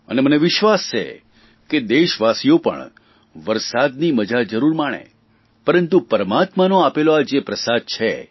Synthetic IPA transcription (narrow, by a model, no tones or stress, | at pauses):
ə̰neməneʋɪʃʋast͡ʃʰḛ | ked̪eʃʋasijopə̰ɳ | ʋəɾsad̪niməd͡ʒad͡ʒəɾuɾmaɽ̃ḛ | pəɾənt̪upəɾəmat̪manõapeload͡ʒepɾəsad̪̚t͡ʃʰe